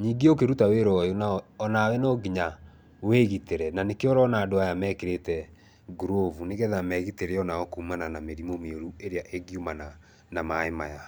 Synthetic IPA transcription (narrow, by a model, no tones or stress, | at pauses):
ɲiːɡeokeɾutaweɾɔjonaɔnawɛnɔɡiɲa | weɣiteɾɛnanekeɔɾɔnaːdoajamɛkeɾetɛ | ɡuɾovuneɣɛðamɛɣiteɾeɔnaɔkumananameɾimomeoɾueɾeaʔeɡiumana | namaemaja